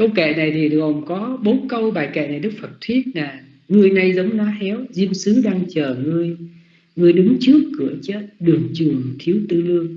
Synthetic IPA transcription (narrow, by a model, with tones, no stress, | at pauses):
kə˧wkɛ̰˧˨na˨˩jt̪ʰi˨˩ɗɨ˨˩ək̚hə˨˩wŋ͡mkɔ˨˦ɓo˨˦kə˧wɓaː˨˩jkɛ̰˧˨na˨˩jɗɨ˦˥k̚fə˨˩t̚t̪ʰwi˦˥ət̚naː˨˩ | ŋɨ˧əjna˧jzə˨˦wŋ͡mnɔ˨˦hɛ˨˦wzi˧əmsɨ˨˦ɗaː˧ŋt͡ɕəː˨˩ŋɨ˧əj | ŋɨ˧əjɗɨ˨˦ŋt͡ɕɨ˦˥əkːɨ˧˩ət͡ɕəː˦˥t̚ɗɨ˨˩əŋt͡ɕɨ˨˩əŋt̪ʰi˨˦əwt̪ɨ˧lɨ˧əŋ